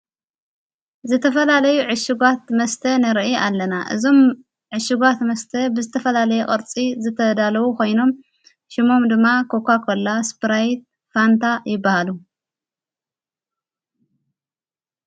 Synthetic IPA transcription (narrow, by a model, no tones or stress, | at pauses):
zɨt̪ʰɐfɐlalɐjuʕɨʃɪɡʷat̪mɐst̪ʰɐnɐɾʔialːɐnaʔɨ̰zo̞m | ʕɨʃɪɡat̪mɐst̪ʰɐbɨzɨt̪ʰɐfɐlalɐjɛkʼɨɾt͡sʼizɨt̪ʰɐd̪alɐwukʰo̞jno̞m | ʃɪmo̞md̪ɨmːakʰo̞kʰʷakʰolːaspɨɾajt̪̚ | fant̪ʰajɪbːahalu